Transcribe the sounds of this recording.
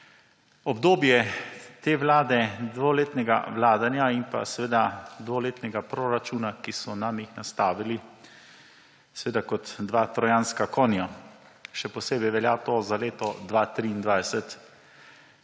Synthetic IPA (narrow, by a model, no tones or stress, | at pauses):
ɔbd̪oːbjɛt̪eːʋlaːd̪ɛd̪ʋoleːt̪nɛɡa̰ʋlaːd̪anjaimpa̰sɛʋeːd̪ad̪ʋoleːt̪nɛɡapɾoɾat͡ʃuːnakisɔnamixnast̪aːʋili | sɛʋeːd̪akɔt̪d̪ʋat̪ɾɔjanskakɔːnja | ʃɛpɔseːbɛjʋɛljat̪ozaleːt̪ɔd̪ʋat̪ɾiːnd̪ʋajsɛt̪